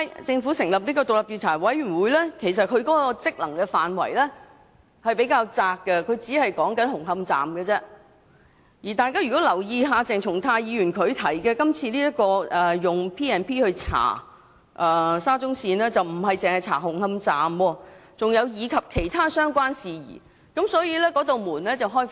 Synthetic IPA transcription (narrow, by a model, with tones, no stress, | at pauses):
jt͡sɪ˧ŋfuː˨˥sɪ˨˩ŋlɐ˨p̚niː˥kɔː˧t̪ʊ˨k̚lɐ˨˩p̚jiː˨˧wt͡sʰaː˨˩wɐ˨˥jɥy˨˩nwuː˨˧jlɛː˥kʰe˨˩js̬ɐ˨t̚kʰɵ˨˧ɥkɔː˨˥kɔː˧t͡sɪ˥k̚lɐ˨˩ŋkɛː˧faː˨˩nwɐ̰˨˩jlɛː˥ | hɐ˨jpe˨˥jkaː˧wt͡saː˧kːɛ˧kʰɵ˨˧ɥt͡siː˨˥hɐ˨jkɔː˨˥ŋkɐ˨˥nɦʊ˨˩ŋhɐ˧mt͡sa̰ː˨mɡɛ˧t͡sɛː˥ | jiː˨˩t̪aː˨˧jkaː˥jɥyː˨˩kɔ˨˥lɐ˨˩wjiː˧ɦaː˨˧t͡sɛː˨˩ŋt͡sʰʊ˨˩ŋt̪ʰaː˧jiː˨˧ɥyː˨˩nkʰɵ˨˧ɥt̪ʰɐ˨˩jkɛː˧kɐ˥mt͡sʰiː˧liː˥jɐ˥t̚kɔː˧ʔɛː˨˩jʊ˨ŋpʰiː˥ɛː˨˩npʰiː˥hɵ˧ɥt͡sʰa̰ː˨˩ | ʔɛː˨˩saː˥t͡sʊ˥ŋsiː˧nɛː˥t͡sɐ˨wm̩˨˩ɦɐ˨jt͡sɪ˨ŋhɐ˨jt͡sʰa̰ː˨˩hʊ˨˩ŋhɐ˧mt͡saː˨mwɔː˧t͡sʊ˨ŋjɐ˨˧wjiː˨˧kʰɐ˨p̚kʰe˨˩jt̪ʰaː˥sœː˥ŋkʷwaː˥nsiː˨jḭː˨˩ | kɐ˨˥msɔː˨˥jiː˧lɛː˥kɔː˨˥t̪o˨wmuː˨˩nlɛː˥t͡sɐ˨wɦɔː˥jf